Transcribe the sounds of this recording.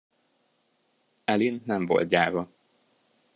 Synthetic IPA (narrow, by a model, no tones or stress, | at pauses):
ɛlinːɛɱvo̞̰lt̪̚ɟaːvɒ